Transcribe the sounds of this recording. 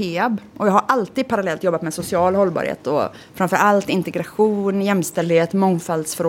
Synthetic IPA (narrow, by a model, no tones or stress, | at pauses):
eːabʔɔjɑːɦaɾʔalt̪iːd̪̚pʰaɾalɛlt̪jɔbːat̪mɛsʊsɪɑːlhɔlːbɑ̰ɾhḛːt̪ɔ̰ | fɾamfœɾʔalt̪ɪnt̪ɛɡɾaɧuːnjɛmːst̪ɛld̪ɪheːt̪mɔŋːfald̪sfœɾo